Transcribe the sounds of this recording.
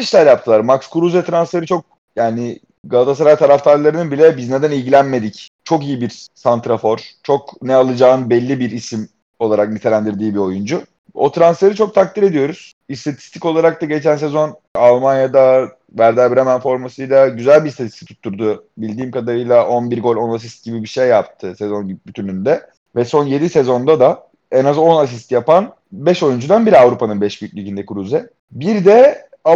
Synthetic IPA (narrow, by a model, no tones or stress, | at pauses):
iʃlʲæɾjap̚t̪ʰɯlˠaɾmakskʰuɾuzvɛt̪ʰɾansfe̞ɾit͡ʃʰo̞k̚ | jaːnɪ | ɡalˠat̪ʰasaɾajt̪ʰaɾaft̪ʰaɾlˠaɾɯnɯbilʲɛbizned̪ænilʲɟilʲænme̞d̪ict͡ʃʰo̞kijibiɾsant̪ɾafo̞ɾ̥t͡ʃʰo̞knɛalˠɯd͡ʒaːnɯbɛlʲːibiɾisim | o̞lˠaɾak̚nit̪ʰe̞lʲænd̪iɾd̪iːbio̞jund͡ʒʊ | o̰t̪ɾansfe̞ɾit͡ʃʰo̞k̚t̪ʰak̚t̪ʰiɾe̞d̪ijo̞ɾuz̥ | ist̪ʰat̪ʰi̥st̪ʰi̥co̞lˠaɾak̚t̪aɟe̞t͡ʃʰæns̬ezo̞n | alˠmanjad̪a | væɾd̪æbiɾamænfo̞ɾmasɯjlˠaɟyzælʲbist̪ʰat̪ʰi̥st̪ʰit̪ʰu̥t̪ʰːuɾd̪ubilʲd̪iːmkad̪aɾɯjlˠaʔo̞nbiɾɡo̞lʲo̞nas̬ist̪̚ɟibibiʃejːap̚t̪ʰɯsɛzo̞nbyt̪ʰynynd̪ɛ | vɛso̞nje̞d̪ise̞zo̞nd̪ad̪a | ɛnazo̞nas̬ist̪japan | bɛʃo̞jund͡ʒud̪anbiɾiavɾupʰanɯnbɛʃbyjycʲlʲycind̪ɛkʰɾuzɛ | biɾd̪ɛ | a